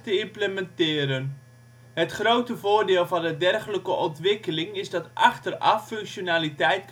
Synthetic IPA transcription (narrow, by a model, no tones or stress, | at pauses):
təɪmpləmɛntɪːɾən | ɦətχrowtəvʊːɹdɪːlˠvɑndədɛrχələkəʔɔntʋɪkəlɪŋɪzdɑtʔɑχtərɑ̰fːɵŋkʃonaːlitɛjt̚k